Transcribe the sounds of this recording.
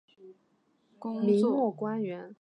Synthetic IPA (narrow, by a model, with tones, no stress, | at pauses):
mi˧˥mwɔ˥˩kwa˥nɥɛ˧˥n